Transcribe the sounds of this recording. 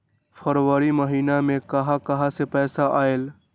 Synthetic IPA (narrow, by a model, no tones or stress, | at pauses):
pʰəɾʋəɾiməɦiːnamẽkəɦãkəɦasepɛːsaʔaːel